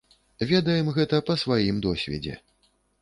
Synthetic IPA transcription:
vʲɛd̪ɐjɛmɣɛt̪ɐpɐsvajimd̪ɔsʲvʲɛ̰d͡zʲɛ̰

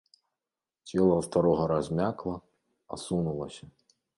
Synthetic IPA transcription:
t͡sʲɛlˠɐst̪aɾɔɦɐɾɐzʲmʲaklˠɐ | ɐ̰sunulˠɐsʲɐ

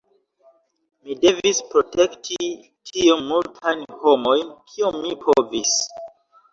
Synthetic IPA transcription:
mide̞vispɾote̞ktʰi | tʰionmultʰajnho̞mo̞jnkʰiomːipʰovis

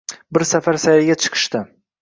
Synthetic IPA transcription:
bɪɾsafaɾsajɾɪɡʲat͡ʃʰɨ̥qʰɨ̥ʃt̪ɪ

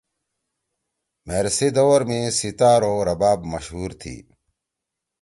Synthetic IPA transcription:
meɾsid̪owɾmẽsit̪aːɾoːɾɐbaːbmɐɕɦuːɾt̪ʰḭː

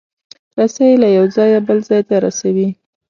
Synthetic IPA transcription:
ɾasajlajawd͡zɑjabəlzɑjt̪aɾasawi

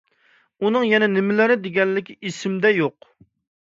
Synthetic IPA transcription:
unɨŋjɛnɛnɪmɪlɪɾɪd̪eɡʲɛnlɪkʲiʔisɪmd̪ɛjoq

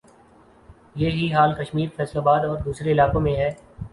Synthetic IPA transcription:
jeːɦiɦaːlkəʃmiːɾfɛːslaːbaːd̪ɔːɾd̪uːsɾeɪlaːkõmẽɦɛː

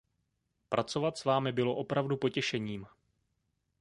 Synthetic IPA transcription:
pɾʔat͡so̞vat̪svaːmɪbɪlo̞ʔo̞pɾavdupo̞cɛʃɛɲiːm

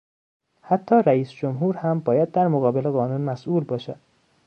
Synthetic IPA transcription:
hæt̪ʰːɒːɾæiːsd͡ʒomɦuːɾhæmbɒːjæd̪̚ːæɾmoɣɒːbeleɣɒːnuːnmæsʔuːlbɒːʃæd̪̥̚

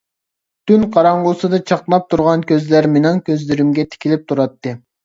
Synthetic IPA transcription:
t̪ʰynqʰɑɾɑɴʁʊsɨd̪ɑt͡ʃʰɑqlˠɑp̚t̪ʰuɾʁɑnkʲʰøzlæɾmenɪŋkʲøzlɪɾɪmɡʲɛt̪ʰɪ̥kʲilɪp̚t̪ʰuɾɑt̪ːɨ

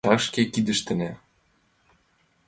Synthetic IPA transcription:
ɑʃkekid̪ə̆ʃt̪ɘ̆næ

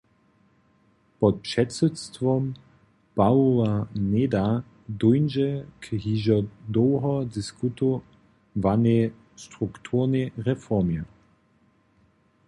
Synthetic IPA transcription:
pɔt̪̚pʂɛtsutst̪vɔm | pawovaned̪a | d̪ujnʒɛkɦiʒɔd̪ɔwɦɔd̪ɪskut̪o | vane | st̪ʁukt̪ʰuʁneʁɛfɔʁmjɛ

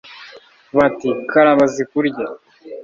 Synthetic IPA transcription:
βatikaɾaβazikuɾɟa

